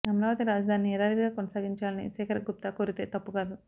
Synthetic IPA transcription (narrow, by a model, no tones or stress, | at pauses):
ɐmɐɾaːʋɐt̪iɾaːd͡ʒɐd̪ʱaːnɛːɾaːɾid̪iɡaːkonɐsaːɡiɲt͡ʃaːlɐnḭsɛːkʰɐɾɐɡup̚t̪aːkoːɾit̪eːt̪ɐpːukaːd̪u